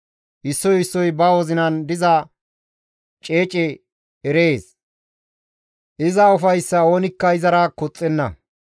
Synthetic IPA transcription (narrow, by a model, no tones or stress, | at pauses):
ʔɪsːɔjɪsːɔjbɐwɔzɪnɐnd̪ɪzɐ | t͡ʃʼe̞ːt͡ʃʼɛ | ɛɾe̞ːs | ʔɪzɐʊfɐjsːɐo̞ːnɪkːɐɪzɐɾɐkɔt͡sʼːɛnːɐ̰